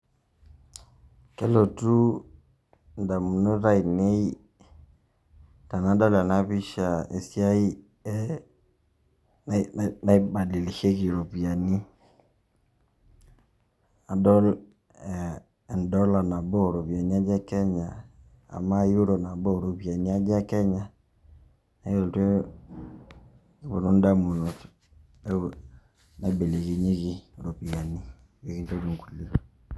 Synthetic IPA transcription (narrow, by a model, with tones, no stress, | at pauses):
ke˦lo˨tu˦ | nda˨mu˨no˦ɾa˦i˨ne˦i˦ | ta˨na˨˦dɔ˦la˨na˦βi˦ʃa˨ḛ˨sja˦i˦ | na˦i˦ba˨di˨le˨ʃe˦ɣi˨ɾo˨βja˨ni˦ | a˨dɔ˦l | n˨dɔ˦la˨na˨bɔ˦˨ɾo˨βi˨a˨ni˦a˦d͡ʒɛ˦kɛ˦ɲa˨ | a̰˨ma˦ju˦ɾɔ˨na˨bɔ˦˨ɾo˨pi˨a˨ni˦a˦d͡ʒɛ˦kɛ˦ɲa˨ | na˨˦o˨ltwɛ˦ | i˦βo˨no˦n˦da˦mu˨no˨t | na˨i˦be˨le˨ɣe˨ɲe˦ɣi˨ɾo˨pi˨a˨ni˦ | je˨ɣi˦n˦tɔ˦d͡ʒo˨ŋ˨ku˨le˦˨